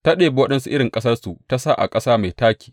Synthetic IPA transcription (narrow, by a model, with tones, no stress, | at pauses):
ta˦ɗeː˨be˦wɐ˦ɗɐ˦nsu˦ʔɪ˦ɽɪ˨ŋkʼɐ˦sɐ˦rsu˨ta˦sa˦ʔa̰˨kʼɐ˦saː˦ma˨jtaː˦kʲi̥ː˨